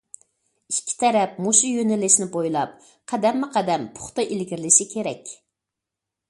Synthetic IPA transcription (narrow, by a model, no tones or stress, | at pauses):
ikʲʰːi̥t̪ʰɛɾɛp̚moʃujønɪlɪʃnɪbojlˠɑp̚ | qʰæd̪ɛmːɪqʰɛd̪ɛmpʰʊ̥χt̪ɑʔilɡʲiɾɪlɪʃɪkʲʰeɾɛkʲ